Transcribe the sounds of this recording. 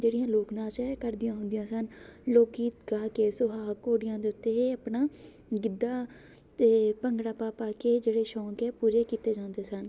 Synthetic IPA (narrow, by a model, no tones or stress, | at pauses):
d͡ʒeːɽɪjãːloːknaːt͡ʃɛkəɾd̪ɪjãːɦʊ̃nd̪ɪjãːsənloːkiːt̪ɡaːkeːsʊɦaːkoːɽɪjãːd̪eːʊt̪ːeːəpnaː | ɡɪd̪ːaː | t̪eːpəŋɡɽaːpaːpaːkeːd͡ʒeːɽeːʃɔ̃ːkɛːpuːɾeːkiːt̪eːd͡ʒãːnd̪eːsən